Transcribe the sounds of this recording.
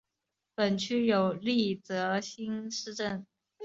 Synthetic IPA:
pə˨˩nt͡ɕʰy˥jo˨˩ʊli˥˩t͡sɤ˧˥ɕi˥nʂɻ̩˥˧ʈ͡ʂə˥˩n

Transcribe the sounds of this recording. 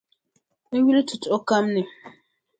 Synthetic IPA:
ne˦wi˦le˦tʰu˨to˦ka˦mnɛ˨

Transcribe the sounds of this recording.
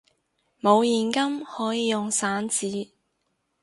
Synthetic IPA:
mo˨˧wjiː˨nkɐ˥mhɔː˨˥jiː˨˧jʊ˨ŋsaː˨˥nt͡siː˨˥

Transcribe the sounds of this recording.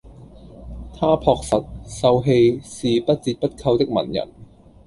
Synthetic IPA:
t̪ʰaː˥pʰɔː˧k̚sɐ˨t̚sɐ˧wɦe˧jsiː˨pɐ˥t̚t͡siː˧t̚pɐ˥t̚kʰɐ˧wt̪ɪ˥k̚mɐ̰˨˩njɐ̰˨˩n

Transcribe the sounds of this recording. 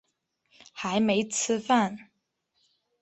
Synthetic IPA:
xa˧˦˥ɪme˧˥ɪt͡sʰɹ̩˥fa˥˩n

